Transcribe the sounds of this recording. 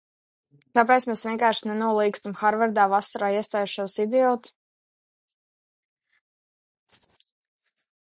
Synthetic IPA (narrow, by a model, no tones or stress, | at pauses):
kap̬ɛt̪smɛsvʲiɛ̃ŋkaːɾʃinɛnuɔlˠiːkst̪amxaɾvaɾd̪aːvasaɾaːiɛst̪aːjuʃuɔsid̪iɔlt̪